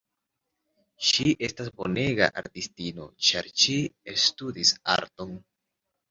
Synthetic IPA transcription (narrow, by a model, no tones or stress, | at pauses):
ʃiʔe̞stasbo̞ne̞ɡa̰ʔaɾtistino̞̰t͡ʃaɾʃiestudisa̰ɾto̞n